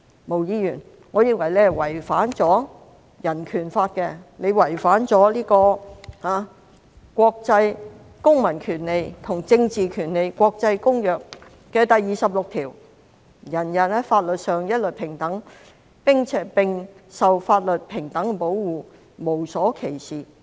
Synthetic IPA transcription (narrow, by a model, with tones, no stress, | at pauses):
mo˨wjiː˧jyː˨˩n | ŋɔː˨˧jɪ˧ŋwɐ˨˩jlɛː˥wɐ˨˩jfaː˨˥nt͡sɔː˨˥ | jɐ˨˩nkʰyː˨˩nfaː˧t̚kɛ˧le˨˧jwɐ˨˩jfaː˨˥nt͡sɔː˨˥liː˥kɔː˧haː˨˧ | kʷɔː˧k̚t͡sɐ˧j | kʊ˥ŋmɐ˨˩nkʰyː˨˩nle˨˧jt̪ʰʊ˨˩ŋt͡sɪ˧ŋt͡siː˨kʰyː˨˩nle˨˧jkʷɔː˧k̚t͡sɐ˧jkʊ˥ŋjœː˨k̚ː | ɛː˧t̪ɐ˨jːiː˨˧sɐ˨p̚lʊ˨k̚t̪ʰiː˨˩w | jɐ˨˩njɐ˨nɛ˥faː˧t̚lɵ˨t̚sœː˨ŋjɐ˥t̚lɵ˨t̚pʰɪ˨˩ŋt̪ɐ˨˥ŋ | pɪ˥ŋt͡sʰɛː˨˥pɪ˨ŋsɐ˨wfaː˧t̚lɵ˨t̚pʰɪ˨˩ŋt̪ɐ˨˥ŋ˧po˨˥wwuː˨˧ | mo˨˩wsɔː˨˥kʰe˨˩jsiː˨